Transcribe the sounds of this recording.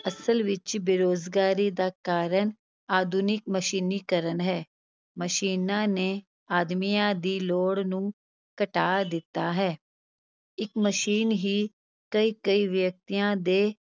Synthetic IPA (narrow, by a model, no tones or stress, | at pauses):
əsəlʋɪt͡ʃbeɾoːzɡaːɾiːd̪aːkaːɾəɳ | aːd̪ʱuːnɪk̚məʃiːniːkəɾənɦɛː | məʃiːnãːneː | aːd̪mijãːd̪iːloːɽnũː | kəʈaːd̪ɪt̪ːaːɦɛː | ɪkməʃiːnɦiː | kəiːkəiːʋjək̚t̪ijãːd̪eː